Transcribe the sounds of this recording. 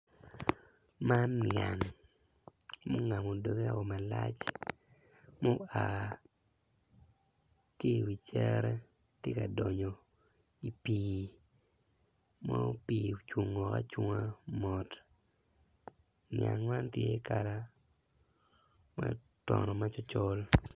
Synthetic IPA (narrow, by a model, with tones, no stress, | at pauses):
ma˦nja˨ŋ | mo˦ŋa˨mo˨do˨ɡe˦a˨o˨ma˨la˦t͡ʃ | mo˦a˨ | ke˦˨wi˨t͡ʃɛ˦ɾɛ˦ | tje˦ka˨dɔ˨ɲo˨ | i˨piː˨ | mɔ˦pi˨t͡ʃwo˨ŋɔ˨ka̰˦t͡ʃwu˦ŋa˦mɔ˨t | nja̰˨nwa˦ntje˦ka˨ɾa˦ | ma˨ | tɔ˨nɔ˨ma˦t͡ʃɔ˦t͡ʃɔ˦l